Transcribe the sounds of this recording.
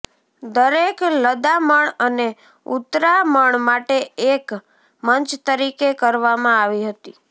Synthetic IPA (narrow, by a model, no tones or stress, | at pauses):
d̪əɾekləd̪aməɳəne | ut̪ɾaməɳmaʈeek | mənt͡ʃt̪əɾikekəɾʋamãaʋiɦət̪i